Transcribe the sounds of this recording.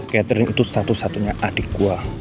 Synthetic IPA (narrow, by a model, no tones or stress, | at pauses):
kɛt̪ɾɪŋḭt̪usat̪usat̪uɲaʔaɖ̥ikua